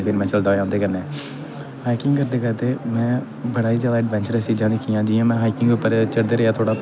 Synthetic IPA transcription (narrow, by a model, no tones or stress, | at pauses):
pʰɪɾmɛ̃ːt͡ʃəld̪aːjãːnd̪eːkəɾneː | haːikɪ̃ŋɡkəɾd̪eːkəɾt̪eːmɛ̃ː | bəɽaːiːzjaːd̪aːəɖʋɛ̃ːnt͡ʃəɾɛsiːd͡ʒãːd̪eːkʰiːjãːd͡ʒɪːjãːmɛ̃ːɦaːikɪŋɡʋiːpəɾt͡ʃəɽd̪eːɾəaːt̪ʰoːɽaː